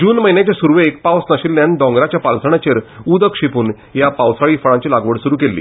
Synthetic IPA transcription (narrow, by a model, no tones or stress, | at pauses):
d͡ʑuːnməɦjnjat͡ɕasuɾʋeːk̚pawsnəɕilːjand̪ɔ̃ŋɡɾat͡ɕjapalsəɽ̃at͡ɕeɾud̪əkʂipuːn | japawsaɭiːfəɭãɲt͡ɕilaɡʋəɽsuɾuːkelːḭː